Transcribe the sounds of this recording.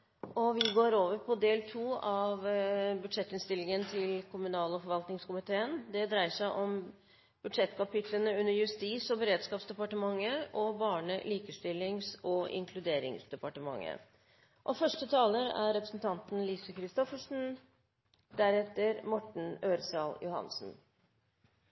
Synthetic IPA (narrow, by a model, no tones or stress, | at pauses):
ɔʋɪɡoːɾoːʋəɾpʰɔd̪eːlt̪ʰuːɑʋbʉd̪ʂɛt̪ːɪnst̪ɪlːɪŋənt̪ʰɪlkʰʊmʉnɑːlɔfɔɾʋɑlt̪nɪŋskʊmɪt̪ʰeːənd̪ɛd̪ɾæɪəʂæɪʔɔm | b̥ʉd̪ʂɛt̪ːkɑpɪt̪ʰlənəʉnːəɾjʉst̪iːsɔbəɾeːd̪skɑːpsd̪ɛpɑʈəmɑŋːəʔɔbɑːɳəliːkəst̪ɪlːɪŋsɔʔɪ̰ŋkʰlʉd̪eːɾɪ̰ŋsd̪ɛpɑʈəmɑ̰ŋːə̰ | ʔɔfœʂʈət̪ʰɑːləɾæ̰ɾɾɛpɾəsnt̪ʰɑnt̪n̩liːsəkʰɾɪst̪ɔfəʂn̩ | d̪æɾɛt̪ːəɾmɔʈɳ̩øːɾsɑːljʊhɑ̰nsn̩